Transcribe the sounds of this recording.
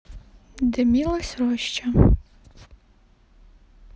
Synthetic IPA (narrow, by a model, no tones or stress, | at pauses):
d̪ɛmʲilˠɐsʲɾɔʃt͡ʃɐ